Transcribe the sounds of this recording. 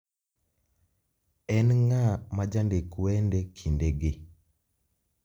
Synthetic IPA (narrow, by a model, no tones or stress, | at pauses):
ɛnŋamad͡ʒandekwɛndɛkʰindeɡe